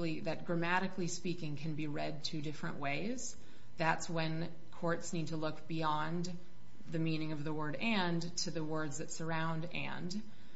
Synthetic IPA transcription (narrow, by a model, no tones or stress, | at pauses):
l̩ˠiðɨt̚ɡ̥ɹɨmæɾɨklispikɪ̃ŋkʰɨ̃nbiɹɛd̚tʰɨdɪfɹɨ̰̃nʔweɪz̥ | ðætswɨ̃n | kʰɔɹtsnid̚tʰəlʊkb̥iɑ̃n | ðɨmĩnɪ̃ŋʌvðəwɜ˞ɾɛ̃n | tʰɨðɨwɜ˞dzðɨtsə˞ãʊ̃ndɨ̰̃nd